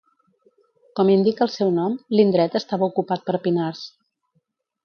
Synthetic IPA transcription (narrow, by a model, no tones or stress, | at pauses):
kɔmind̪ikəlˠsɛwnɔmlind̪ɾɛt̪əst̪aβəukupat̪̚pəɾpinars